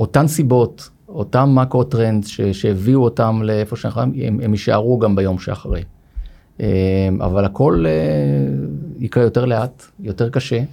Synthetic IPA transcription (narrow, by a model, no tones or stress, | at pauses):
o̞tamsibo̞t | o̞tamːakotʁendzʃeʃeeviuotamleefo̞ʃenaχamḛmemiʃa̰ʁuɡambajo̞mʃea̰χaʁej | ema̰valhako̞le | ikʁejote̞ʁle̞at | jo̞te̞ʁkaʃe̞